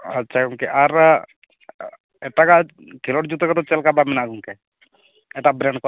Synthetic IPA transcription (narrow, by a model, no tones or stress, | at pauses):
ətːʃʰauŋkɛʔaɾ | ɛʈaka | kʰilɔʈd͡ʒut̪ɔkɔt̪ɔt͡ʃɛlkabamɛnaɡuŋkɛ | ɛʈabɾɛɳɖkɔ